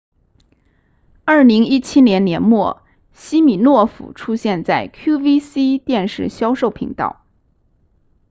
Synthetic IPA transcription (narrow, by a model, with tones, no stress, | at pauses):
ɐ˞˥˩li˧˥ŋi˥t͡ɕʰi˥njɛ˧˥nnjɛ˧˥nmwɔ˥˩ | ɕi˥mi˨˩nwɔ˥˩fṵ˨˩ʈ͡ʂʰu˥ɕjɛ˥˧nt͡sa˥˩ɪkʰju˥ʋi˥si˥t̪jɛ˥˧nʂɻ̩˥˩ɕjɑ˥ʊʂo˥˩ʊpʰḭ˧˥ŋt̪ɑ̰˥˩ʊ